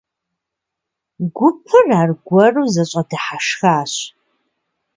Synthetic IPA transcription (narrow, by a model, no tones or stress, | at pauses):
ɡʷʊpʰɨraːrɡʷɔruːzɐɕʼɐdɨħaʂxaːɕ